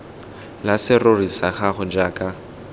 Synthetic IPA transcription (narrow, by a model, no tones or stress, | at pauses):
lasɪrorisaχaχʊd͡ʒaːkʼa